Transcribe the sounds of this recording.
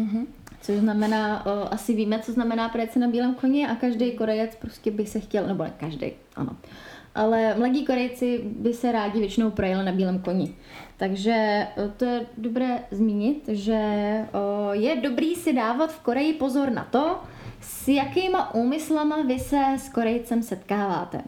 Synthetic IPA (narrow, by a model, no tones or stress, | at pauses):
m̩ɦ̩ | t͡soʒznamɛnaːʔʔasɪviːmɛt͡so̞znamɛnaːpɾojɛt͡sɪnabiːlɛːmko̞ɲɛʔakaʒdɛjko̞ɾɛjɛt͡spɾo̞scɛbɪsɛxcɛlnɛbonɛ̰kaʒdɛ̰j | ʔa̰no̞̰ | ʔalɛmlaɟiːko̞ɾɛjt͡sɪbɪsɛɾaːɟɪvjɛt͡ʃɪno̞wpɾojɛlɪnabiːlɛːmko̞ɲɪ | t̪aɡʒɛt̪ojɛdobɾɛːzmiːɲɪt̪ʒɛ | jɛdo̞bɾiːsɪdaːvat̪fko̞ɾɛjɪpo̞zo̞ɾna̰t̪o̞ | sjakɪːmaʔuːmɪslamavɪsɛsko̞ɾɛjt͡sɛmsɛt̪kaːvaːt̪ɛ̰